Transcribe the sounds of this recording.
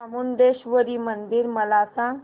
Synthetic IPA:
amund̪eɕʋəɾiːmənd̪iːɾməlasã

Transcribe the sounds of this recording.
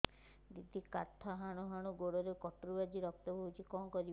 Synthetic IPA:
d̪id̪ʱikaɾt̪ʰːaɦaɽ̃uɦaɽ̃uɡoɽɔɾekɔʈɾubad͡ʒiɾɔk̚t̪ɔbʱɔɦut͡ʃʰikɔŋkɔɾi

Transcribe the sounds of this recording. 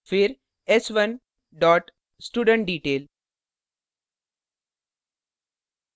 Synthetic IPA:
fɪɾ | esʋən | ɖɔːʈ | sʈuːɖə̃ɳʈ̚ɖiːʈeːl

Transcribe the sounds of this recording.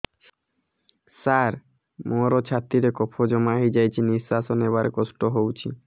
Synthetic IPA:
saɾ | moɾot͡ɕʰat̪ːɾiɾekɔpʰod͡ʑɔmaɦid͡ʑajt͡ɕʰinisasonebaɾekɔsʈoɦowt͡ɕʰḭ

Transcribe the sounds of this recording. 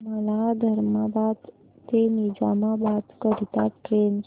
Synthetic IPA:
məlad̪ʱəɾmabad̪ | t̪enid͡ʒa̰mabad̪kəɾit̪a̰ken

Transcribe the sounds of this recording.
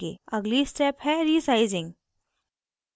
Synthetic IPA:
ḛɐɡlisʈɾɛːphɛɾiːsaɪzɪ̃ŋɡ

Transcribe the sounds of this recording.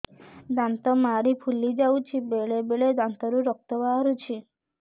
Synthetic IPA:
d̪ant̪ɔmaɾipʰulid͡ʒawt͡ʃʰibeɭebeɭed̪ant̪ɔɾuɾɔk̚t̪ɔbaɾut͡ʃʰi

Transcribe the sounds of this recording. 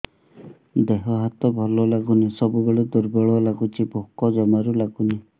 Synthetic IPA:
d̪eɦɔɦat̪ɔbʱɔlɔlaɡunisɔbubeɭed̪uɾbɔɭɔlaɡut͡ʃʰibʱokɔd͡ʒɔmaɾulaɡuni

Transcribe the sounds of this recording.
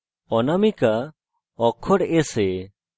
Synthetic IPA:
ɔnamika | ɔkʰɔɽese

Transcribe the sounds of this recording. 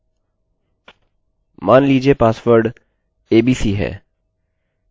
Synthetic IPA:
maːnliːd͡ʒiepaːsʋəɾɖ | eːbiːsiɦɛ̰ː

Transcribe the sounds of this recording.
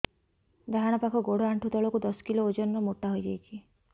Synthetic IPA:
d̪aɦaɽ̃ɔpakʰɔɡoɽɔaɳʈʰut̪ɔɭɔkud̪ɔskiloːd͡ʒɔnːɔmoʈːaɦojd͡ʒajt͡ʃʰi

